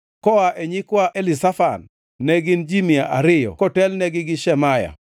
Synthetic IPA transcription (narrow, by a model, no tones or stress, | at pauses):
kɔaʔeɲikwaʔelɪsafanː | eɡɪnd͡ʒimiaʔaɾɪjɔ̰kɔtɛlnɛɡɪɡɪʃɛmaja̰